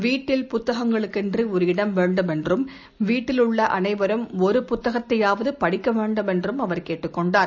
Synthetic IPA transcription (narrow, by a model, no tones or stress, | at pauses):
ʋiːʈːɪlpʊt̪ːɐɣɐŋɡɐɭɯkːɛndriɔɾɯɪɽɐmʋeːɳɖɯmɛndrɯm | ʋiːʈːɪlɯɭːɐʔɐ̰nɐɪbɐɾɯmɔɾɯpʊt̪ːɐɣɐt̪ːɐjaːʋɐðɯpɐɽɪkːɐʋeːɳɖɯmɛndrɯmɐʋɐɾkeːʈːɯkːɔɳɖaːɾ